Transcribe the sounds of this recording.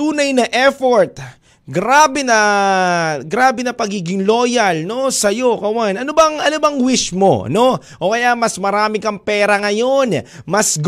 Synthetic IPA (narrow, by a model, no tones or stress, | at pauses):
uːnɐjnɐʔɛfoɹt̪̚ | ɡɾaːbɛnɐ | ɡɾaːbɛnɐpɐɡiːɡɪŋlo̞ːjɐlno̞sɐjo̞kɐwanʔɐnobɐŋʔɐnobɐŋwɪʃmo̞̰no̞ | ʔo̞kɐjamɐsmɐɾaːmɪkɐŋpɛːɾɐŋɐjo̞nmɐsɡ